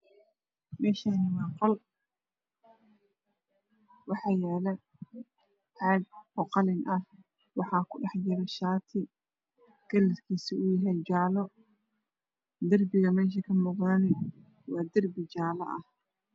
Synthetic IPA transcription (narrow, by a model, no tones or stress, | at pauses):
mɛːʃanɪmɑːqɔl | wɑħɑːjɛːlɛ | ʕɑːɡɔqɑlɪnʔɐh | wɑħɑːkʰʊɖɑħd͡ʒɪɾɛʃaːt̪ʰɪ | ɡ̥ɐlɪt̪kʰiːsɪʊjɐɦɛjt͡ʃaːlɔ | d̪ɐrbɪɣɐmɛːʃ̬ɐkʰɐmuːqðɐnɛ | wɑːd̪ɐrbɪt͡ʃaːlɐ̰ʔɐh